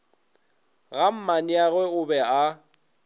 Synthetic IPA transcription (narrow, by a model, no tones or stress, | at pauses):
ɣam̩maniaɣwɛɣʊbɛa